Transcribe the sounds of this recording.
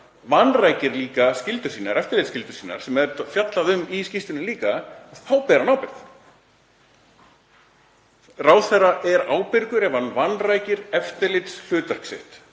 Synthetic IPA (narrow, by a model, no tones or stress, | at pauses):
vanrajcɪɾliːkascɪlt̪ʏ̥ɾ̥siːnaɾɛft̪ɪɾlɪt̪scɪlt̪ʏ̥ɾ̥siːna̰ɾ̥sɛmɛɾfjat̪laðʏmiscist̪ʏnɪliːkaaðθawpɛːɾanaːwpɪɾ̥θ | raːwθɛrːaʔɛɾaːwpɪɾkʏɾɛvanvanːraːjcɪɾɛft̪ɪlɪt̪sl̥ʏːt̪ar̥ksɪ̰ht̪